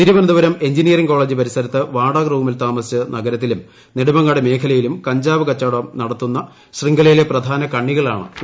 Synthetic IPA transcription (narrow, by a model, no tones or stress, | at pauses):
t̪iɾuʋɐnɐd̪uʋɐɾɐme̞ɲd͡ʑinijɐriŋko̞ːɭeːd͡ʑɨpɐɾisɐɾɐt̪ːɨʋaːɽɐkruːmilt̪aːmɐsɨnɐɡɐɾɐt̪ːilum | neɽumɐŋːɐɭɽeme̞ːkʰɐlɐjilumkɐɲd͡ʑaːʋɨkɐt͡ɕːaːɽɐɐmnɐɽɐt̪ːunːɐ | ɕriŋɡɐlɐjile̞prɐd̪ʱaːnɐkɐɳːiɣɐɭa̰ːɳɨ̰